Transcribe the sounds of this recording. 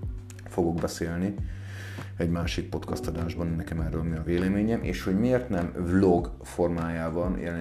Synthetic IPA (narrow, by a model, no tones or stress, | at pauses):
fo̞ɡo̞ɡbɛseːlni | ɛɟmaːʃik̚po̞t̪kɒst̪ɒd̪aːʒbɒnnɛkɛmɛrːøːlmiɒveːlɛmeːɲɛmʔḛːʃho̞ɟmiːrt̪nɛmvlo̞ɡ | fo̞rmaːjaːvɒnjʔɛ̰lɛ